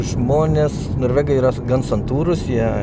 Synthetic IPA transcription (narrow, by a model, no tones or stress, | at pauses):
ʒmoːnʲeːs | noːɾʲʋʲæːɡɐiːɾɐɡɐnsɐnt̪uːɾʊsjiɛ